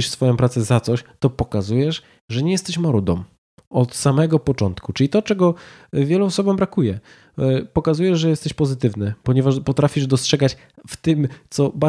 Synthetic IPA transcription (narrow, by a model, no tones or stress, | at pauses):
iʂfsfɔjɔ̃w̃pɾat̪sɛzat̪sɔɕt̪ɔpɔkazujɛʂ | ʐɛɲɛjɛst̪ɛɕmɔɾud̪ɔ̰m | ɔt̪samɛɡɔpɔt͡ʂɔnt̪kut͡ʂɘlʲit̪ɔt͡ʂɛɡɔ | vʲjɛluɔsɔbɔmbɾakujɛ | pɔkazujɛʐʐɛjɛst̪ɛɕpɔzɘt̪ɘvnɘpɔɲɛvaʂpɔt̪ɾafʲiʐd̪ɔstʂɛɡat͡ɕ | ft̪ɘmt̪sɔba